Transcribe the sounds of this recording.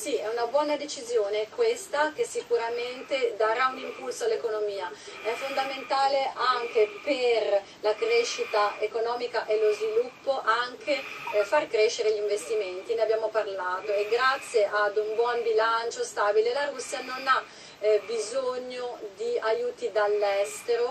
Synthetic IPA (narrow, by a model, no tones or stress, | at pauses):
siɛunabwɔːnad̪et͡ʃizjoːnekwest̪ak̟esːikuɾament̪ed̪aɾaunimpulsoalːekonomiːaɛfːond̪ament̪aːleʔaŋkeper | lakɾeʃːit̪aekonɔːmikaʔelozvilupːoʔaŋkʰefarkɾeʃːeɾeʎiɱvest̪iment̪ineabːjaːmoparlaːt̪oeɡɾat̪sːjeʔad̪umbwɔmbilant͡ʃost̪aːbilelaɾusːjanona | bizoɲːod̪iajuːt̪id̪alːɛst̪eɾo